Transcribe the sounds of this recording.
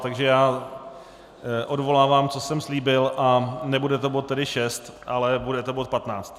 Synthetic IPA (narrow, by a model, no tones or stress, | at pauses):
t̪aɡʒɛjaː | ʔo̞dvo̞laːvaːmt͡so̞sɛmsliːbɪlʔanɛbudɛt̪obot̪ːɛdɪʃɛst̪ʔalɛbudɛt̪obot̪̚pat̪naːt͡st̪